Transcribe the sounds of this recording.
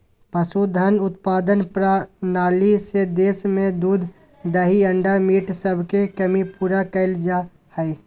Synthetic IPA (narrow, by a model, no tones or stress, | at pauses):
pəsud̪ʱənʊt̪paːd̪ənpɾanaːlised̪eːsmẽd̪uːd̪ʱ | d̪əɦiə̃ɳɖamiːʈsəbʱkekəmipuːɾakəɪld͡ʒa | hɛe